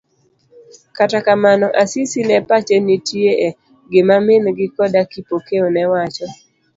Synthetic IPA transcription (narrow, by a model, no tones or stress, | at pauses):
katakamanɔʔasisinɛpat͡ʃenitjeʔɛ | ɡɪmamɪnɡɪkɔdakipokeonɛwat͡ʃɔ